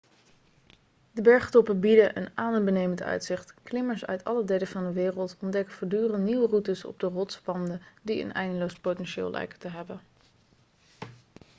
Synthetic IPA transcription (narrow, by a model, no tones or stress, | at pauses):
dəbɛɹχtɔpəbidəʔənaːnəbənejməntœ̰ɥtsɪχtklɪməɹsœ̰ɥtʰɑlədejləvɑndəʋɪːrəlˠtɔndɛkəvoːɹdyːrəntniʋərutəsɔ̰b̚dərɔtspɑndədiə̰nɛjndənlowspowtɛnʃɪ̰ːlˠlʔɛ̰jkətəɦɛbən